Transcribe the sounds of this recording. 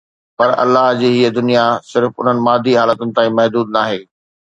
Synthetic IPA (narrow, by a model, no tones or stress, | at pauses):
pɐɾɐ̰lːaɦd͡ʑiːɦiəd̪ʊnijasɪɾfʊ̰n̤ənɪ̆maːd̪ʱiɦaːlət̪ʊnɪ̆t̪aːĩmɐɦd̪uːd̪̚naːɦeː